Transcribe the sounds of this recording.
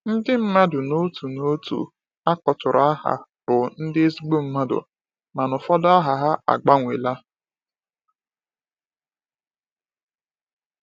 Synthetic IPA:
n̩˦dɪ˦m̩˦ma˦dʊ˨no˦tu˨no˦tṵ˨ | a˦kɔ˨tʊ˨ɾa˦ɦa̰˨bʊ˨n̩˦dɪ˦e˦zi˦ɡ͡bo˦m̩˦ma˦dʊ̰˨ | ma˨nʊ˨fɔ˦da˦ɦa˨ɦa˦a̰˨ɡ͡ba˦ŋʷe˨la˦

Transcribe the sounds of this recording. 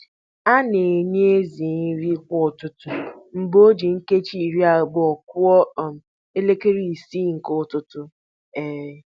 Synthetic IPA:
a˦ne˨ɲe˦e˦zi˨n̩˦ɾi˦kʷʊ˦˨tʊ˦tʊ˦m̩˨bo˦d͡ʒi˨ŋ̩˦ke˦t͡ʃi˦˨ɾi˦a˨ɡ͡bɔ˨kʊ˦ɔ˦˨ | e˦le˦ke˦ɾi˦˨si˦˨ŋ̩˨kʊ˦tʊ˦tʊ˦ | e˨˦

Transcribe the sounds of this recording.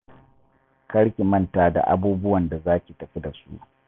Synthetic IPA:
kɐ˦ɽkʲi˨mɐ˦ntaː˨da̰˨ʔa̰˦buː˦bʊ˦wɐ˨nda˨zaː˦kʲi˨tɐ˨ɸi˦da˨sṵ˦ʔ

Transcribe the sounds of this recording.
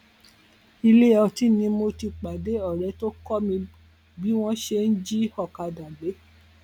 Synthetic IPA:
i˧le˦˨ɔ˧ti˦nĩ˧mo˧ti˧k͡pa˨de˨˦ɔ˦˨ɾɛ˨˧˦to˦kɔ˦mĩ˧ | bi˦w̃ɔ̃˦ʃe˧n̩˦d͡ʒi˦ɔ˦˨ka˨˧dã˨ɡ͡be˨˦

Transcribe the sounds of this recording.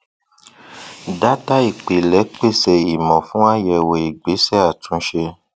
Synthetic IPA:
da˦ta˦i˦˨k͡pe˨lɛ˨˦k͡pe˦˨sɛ˨i˨mɔ̃˨fũ˦a˦˨jɛ˧wo˨i˨ɡ͡be˨˦sɛ˦˨a˦˨tũ˨˦ʃe˧

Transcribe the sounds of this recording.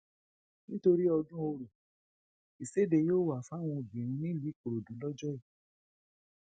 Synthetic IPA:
nĩ˦to˧ɾi˦ɔ˧dũ˦o˧ɾu˨ | i˨se˦de˧joː˦˨wa˨fa˦w̃ɔ̃˧˨bĩ˨ɾ̃ũ˧nĩ˦li˨˦˨ko˨ɾo˨dũ˨˦lɔ˦d͡ʒɔ˦i˦˨

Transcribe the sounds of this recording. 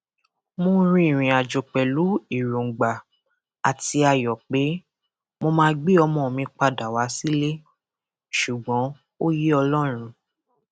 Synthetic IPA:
mõ˧˦ɾ̃ĩ˦˨ɾ̃ĩ˨a˨d͡ʒo˨k͡pɛ˨lu˨˦i˦˨ɾũ˨ɡ͡ba˨ | a˨ti˧a˧jɔ˨k͡pe˨˦ | mo˧mãː˦ɡ͡bi˦ɔ˧mɔ̃˧˨mĩ˧˦k͡pa˧da˨wa˨˦si˦le˦ | ʃu˨ɡ͡bɔ̃˨˦ | o˦ji˦ɔ˧lɔ˦˨ɾ̃ũ˧

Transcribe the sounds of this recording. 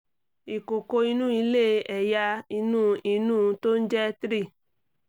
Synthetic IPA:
i˨ko˨ko˧i˧nũ˦i˧le˦˧˦ɛ˨ja˧i˧nũː˦i˧nũː˦˨to˦n̩˦d͡ʒɛ˦tɾi˦˨

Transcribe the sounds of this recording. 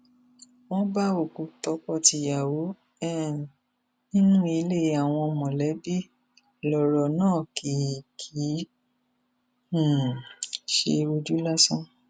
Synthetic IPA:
w̃ɔ̃˦ba˦o˨ku˨˦tɔ˨˦kɔ˦˨ti˧ja˨wo˨˦ | ɛ˦˨n˨ | nĩ˦nũ˦i˧le˦˨a˨w̃ɔ̃˧mɔ̃˨lɛ˨˦bi˦ | lɔ˨ɾɔ˨nãː˦˨ki˨kʰi˨˦˨ | ʃḛ˧ɾo˧d͡ʒu˦la˦sɔ̃˦

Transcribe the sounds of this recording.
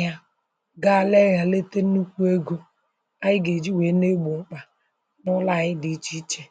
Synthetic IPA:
ja˦ | ɡa˦˨le˦ɣa˨le˦te˦nu˦kʷu˦e˦ɡu˦ | a˦jɪ˦ɡe˨d͡ʒi˦we˨˦ne˦ɡ͡bu˨ŋ͡m̩˦k͡pa˨ | nʊ˦la˦˨ɣɪ˦dɪ˨i˦t͡ʃi˦t͡ʃe˦

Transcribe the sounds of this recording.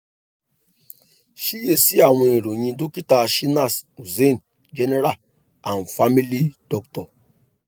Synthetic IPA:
ʃi˦je˨si˦a˨wẽ˨e˨ɾo˨ɲĩ˧do˦ki˦ta˨ʃi˦na˦˨su˨ze˦˨n˨ | d͡ʒe˦ne˦ɾa˦˨l | a˨n˨fa˦mi˦li˦dɔ˦ktɔ˨

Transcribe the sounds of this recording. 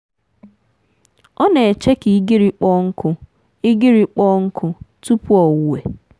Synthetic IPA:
ɔ˦ne˨e˨t͡ʃe˦ki˨˦ɡɪ˦ɾi˨k͡pɔ˦ŋ̩˦kʰʊ˨ | ɪ˦ɡɪ˦ɾi˨k͡pɔ˦ŋ̩˦kʰʊ˨tu˦pu˦ɔ˨wʊ˦we˨

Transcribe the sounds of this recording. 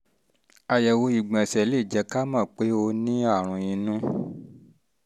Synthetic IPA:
a˨jɛ˨wo˧i˨ɡ͡bã˨sɛ˨le˦˨d͡ʒɛ˧˦ka˦mã˦˨k͡pe˨˦o˧nĩ˦a˦˨ɾ̃ũ˧jĩ˧nũ˦

